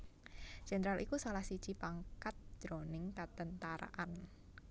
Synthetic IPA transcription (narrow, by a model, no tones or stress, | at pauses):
ʒ̥enəɾalʔikusalahsi̥t͡ʃipaŋkat̪̚d̥ɾonɪŋkat̪ənt̪aɾa̰ʔan